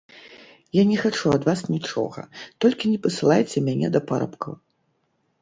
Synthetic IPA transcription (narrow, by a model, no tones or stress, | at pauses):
janʲɛxat͡ʂuɐd̪vasnʲit͡ʂɔ̰ɣɐ̰t̪ɔlʲkʲinʲɛpɐsɨlˠajt͡sʲɛmʲanʲɛ̰d̪ɐpaɾɐ̰pkɐ̰